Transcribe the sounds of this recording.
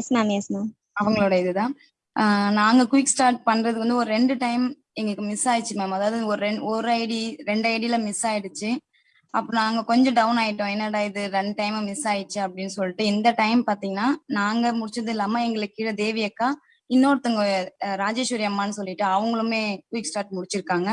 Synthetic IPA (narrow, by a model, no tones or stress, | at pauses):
eːsɐnãːmeːsɐnõː | ɐʋɐŋɡɐɭoːɽɐɪðɯt̪ãː | naːŋɡɐkʊʋɪksʈaːɾʈ̚pɐɳːɾɐðɯkʋɐnd̪ɯɔɾɯɾɛɳɖɯʈɐɪm | ɛŋɡɐɭɯkːɯmɪsaːjt͡ʃːɯmɐːmɐðaːʋɐðɔɾɯɛɔɾɯɐɪɽiɾɛɳɖɐɪɽɪjlɐmɪsaːjɪɽɯt͡ʃːɯ | ʔɐpːoːnaːŋɡɐkɔɲd͡ʒɔ̃ɖɐʋʊnaːjɪʈːõɛnːɐɽaːjɪðɯɾɐɳʈɐɪmɐmɪsaːjɪt͡ʃːɯɐpːɐɽɪnːɯsɔlːɪʈːɯɪnd̪ɐʈɐɪmpaːɾt̪iːŋɡɐnːaːnaːŋɡɐmʊɽɪt͡ʃːɾɐðɯɪlːaːmɐɛŋɡɐɭɯkːɪʈɐd̪eːʋɪjɐkːaː | ɪnːoːɾɯt̪ːɐŋɡɐɾaːd͡ʒeːʃʊɾɪjɐmːaːnːɯsɔlːɪʈːɯɐʋɐŋɡɐɭɯmeːkʊʋiːksʈaːɾʈmʊɽɪt͡ʃːɪɾɯkːaːŋɡɐ